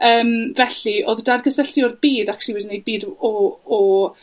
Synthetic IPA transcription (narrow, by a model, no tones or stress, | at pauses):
əːmvɛɬiʔoðdarɡəsəɬtiɔrbiːdakʰʃiwiːdinej̚biːd | ɔ